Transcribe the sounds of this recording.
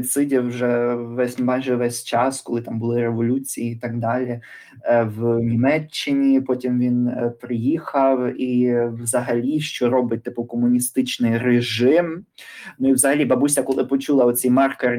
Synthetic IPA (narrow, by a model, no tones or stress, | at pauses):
t̪sɪdʲiwʒɛʋɛsʲmɑjʒɛʋɛsʲt͡ʃɑskɔlˠɪt̪ɑmbʊlˠɪɾeʋɔlʲut͡sʲijiːt̪ɐɡ̚d̪ɑlʲi | wnʲimɛt͡ʃːɪnʲipɔtʲimʋʲinpɾɪjixɐwiwzɐɦɐlʲiʃt͡ʃɔɾɔbɪt̚ʲt̪ɪpʊkɔmʊnʲist̪ɪt͡ʃnɪjreʒɪmnʊiwzɐɦɐlʲibɐbusʲɐkɔlˠɪpɔt͡ʃulˠɐɔt͡sʲɛjmɑrker